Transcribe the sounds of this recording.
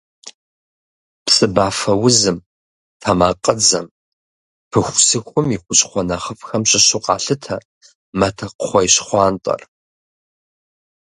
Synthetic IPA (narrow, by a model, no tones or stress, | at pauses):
psʼɨbaːfɐwʊzɨm | tʰɐmaːqʼəd͡zɐm | pʰɨxʷsɨxʷʊmiχʷʊt͡ʃʼχʷɔnɐχəfxɐmɕʼɪɕʊqʼɑ̰ːɬɨtʰɐ | mɐtʰɐqχʷɔjɕχʷɑːntʼɐ̰r